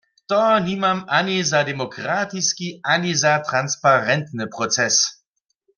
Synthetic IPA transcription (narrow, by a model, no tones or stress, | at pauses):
t̪ɔnimamanizad̪ɛmɔkʁaːt̪iskiʔanizat̪ʁanspaʁɛnt̪nɨpʁɔt͡sɛs